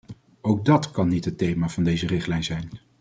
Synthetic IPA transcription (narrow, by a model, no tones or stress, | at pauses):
owɡ̚dɑtkɑnːitɦətːejmaːv̥ɑndejzərɪχtlɛjnzɛjn